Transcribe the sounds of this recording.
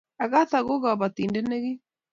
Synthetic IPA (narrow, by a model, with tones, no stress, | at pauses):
a˨ɣa˦θa˨ɣo˦ɣa˨βa˨t̪i˨nde˦ne˦ɣi˦